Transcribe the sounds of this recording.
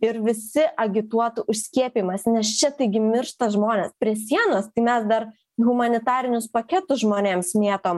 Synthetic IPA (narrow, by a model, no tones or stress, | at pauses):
ɪɾʋʲɪsʲɪʔɐɡʲɪt̪uɔt̪ʊʔʊʃʲsʲkʲiɛpʲiːmɐsnʲɛst͡ʃʲɛt̪ɐɪɡʲɪmʲɪrʃt̪ɐʒmoːnʲeːspʲɾʲiɛsʲiɛnoːst̪ɐɪmʲɛsd̪ɐr | ɣʊmɐnʲɪt̪ɑːɾʲɪnʲʊspɐkʲɛt̪ʊsʒmoːnʲeːmsmʲeːt̪oːm